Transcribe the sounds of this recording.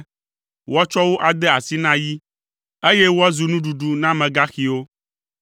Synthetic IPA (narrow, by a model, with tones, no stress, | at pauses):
wɔ˦t͡ʃɔ˦wo˦ʔa˨d̪ɛ˦a˨si˦nã˦ji˦ | e˦je˦wo˦a˦zu˨nũ˦ɖu˨ɖu˨nã˦mɛ̃˨ɡa˦xi˨wo˦